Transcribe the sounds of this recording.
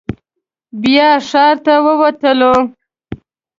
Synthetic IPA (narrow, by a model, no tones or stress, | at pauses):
bjɑʂɑɾt̪awəwat̪əlo